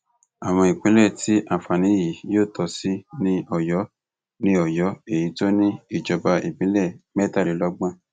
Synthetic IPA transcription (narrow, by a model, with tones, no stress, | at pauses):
a˨w̃ɔ̃˧i˨k͡pĩ˨˦lɛ˦˨ti˨˦ʔa˦˨fa˨nĩ˨˦ji˨˦joː˦˨tʰɔ˧si˦nĩ˦ɔ˨jɔ˨˦ | nĩ˦ɔ˨jɔ˨˦e˦˨ji˨˦to˦nĩ˦i˦˨d͡ʒɔ˧ba˧ʔi˨k͡pĩ˦lɛ˦˨mɛ˦˨ta˦˨i˨˦lɔ˦ɡ͡bã˦